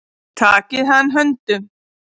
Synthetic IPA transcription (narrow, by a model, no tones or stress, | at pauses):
t̪ʰaːkeɦaːnɦɐnt̪ɨ